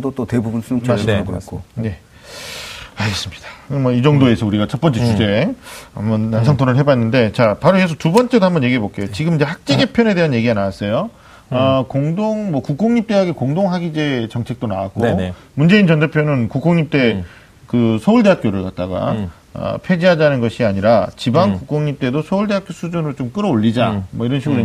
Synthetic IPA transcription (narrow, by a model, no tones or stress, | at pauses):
dot͈otebubunsut͡ɕʰasskk͈ʰone̞ | aɡes͈ɯmɲid̥ḁmʌid͡ʑʌŋdoe̞sʰʌuɾiɡat͡ɕʰʌt̚p͈ʌnt͡ɕ͈ʰet͡ɕʰud͡ʑe̞ambʌnːansʰaŋtʰonɯɭɦe̞banːɯnde̞t͡ɕapaɾoesʰʌtubʌnt͡ɕ͈e̞dohambʌnje̞ɡiɦe̞bok͈e̞jot͡ɕiɡɯmind͡ʑe̞hak̚t͡ɕ͈eɡepʰjʌne̞de̞ɦanje̞ɡiɡanawas͈ʌjo | ʌkoŋdoŋmʌkuk͈oŋɲip̚t͈e̞ɦaɡekoŋdoŋɦaɡid͡ʑe̞t͡ɕʌŋt͡ɕʰe̞k̚t͈onawak͈o | mund͡ʑe̞int͡ɕʌndepʰjonɯnkuk͈oŋɲip̚t͈e̞ | kɯsʰʌuɭde̞ɦak͈joɾɯɭkat̚t͈aɡa̰ | ʌ̰pʰwe̞d͡ʑiɦadanɯnɡʌɕʰiaɲiɾat͡ɕibaŋkuk͈oŋɲip̚t͈e̞dosʰʌuɭde̞ɦak͈josʰud͡ʑunɯɾot͡ɕomk͈ɯɾʌoʎːid͡ʑamʌiɾʌnɕʰiɡɯɾo